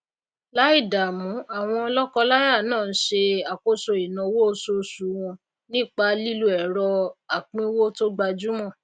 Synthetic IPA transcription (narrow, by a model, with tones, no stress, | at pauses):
la˦i˦˨da˨mũ˨˦a˨w̃ɔ̃˧ɔ˧lɔ˦kɔ˧la˦ja˦˨nãː˦˨n̩˦ʃe˧a˨ko˦so˧i˨nã˧˦wo˦o˧so˧˦˨su˨˦w̃ɔ̃˧ | nĩ˦˨k͡pa˧li˦lu˦ɛ˨ɾɔ˧a˨k͡pĩ˦wo˦to˦ɡ͡ba˧d͡ʒu˦mɔ̃˦˨